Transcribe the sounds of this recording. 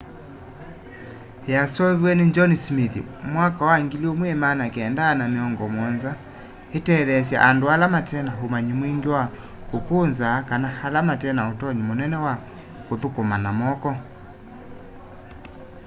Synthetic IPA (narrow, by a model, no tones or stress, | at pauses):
jasɔβwɛneɲd͡ʒɔnismiθḭmwakawaŋɡiliɔmwemanakeɛndaːnameɔŋɡɔmwɔnza | etɛðɛs̬ja̰ʔandoalamatɛnaɦomaɲimwiŋɡewa | okonzakanahalamatɛnaotɔɲimonɛnɛwa | koðokomanamɔkɔ